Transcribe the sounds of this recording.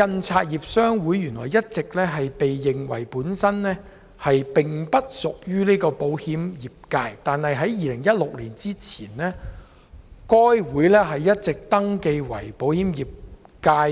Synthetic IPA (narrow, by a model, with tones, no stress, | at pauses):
kɐ˧nt͡sʰaː˧t̚jiː˨˩p̚sœː˥ŋwuː˨˥jːyː˨˩nlɔ̰ː˨˩jɐ˥t̚t͡sɪ˨k̚lɛː˥ɦɐ˨jpe˨jːɪ˨˩ŋwɐ̰˨˩jpuː˨˥nsɐ˥nlɛː˥ | hɐ˨jpɪ˨ŋpɐ˥t̚sʊ˨k̚jyː˥niː˥kɔː˧po˨˥whiː˨˥mjiː˨˩p̚kaː˧jt̪aː˨nhɐ˨jɦɐ˨˥jjiː˨˧lɪ˨˩ŋjɐ˥t̚lʊ˨k̚liː˨˩nt͡siː˥t͡sʰiː˨˩nlɛː˥ | kɔː˥jwuː˨˥jlɛː˥ɦɐ˨jːɐ˥t̚t͡sɪ˨k̚t̪ɐ˥ŋke˧jwɐ̰˨˩jpo˨˥whiː˨˥mjiː˨p̚ | kaː˧j